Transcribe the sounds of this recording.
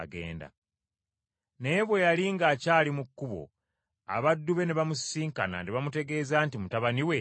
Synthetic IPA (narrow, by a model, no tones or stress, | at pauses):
ɡe̞̰ːnda̰ | ne̞ːβwe̞jaliŋɡaːcaːlimukːuβo̞̰ | a̰βadːuβe̞neβamusiːŋkana̰ndeβamute̞ɡe̞ːzaːntimutaβaniwe